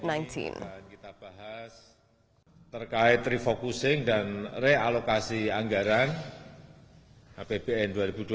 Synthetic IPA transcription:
najntʰḭnnkit̪ab̥aɦas | t̪ərkaɪt̪ːɾifokusɪŋdanrealokasiaŋɡaɾan | ab̥eb̥eɛnduaɾibudu

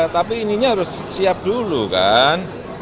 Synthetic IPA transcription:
t̪apiːniɲaɦaɾʊs | siap̚duluka̰n

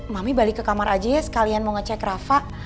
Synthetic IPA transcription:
mamibalikəkamaɾad͡ʒajasə̥kalianmoŋət͡ʃakɾafaʔ

